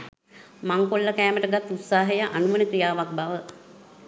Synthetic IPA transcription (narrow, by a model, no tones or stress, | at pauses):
maŋkolːəkæːməʈəɡat̪ːut̪saːɦəjaʔanuʋənəkɾijaːʋak̚baʋə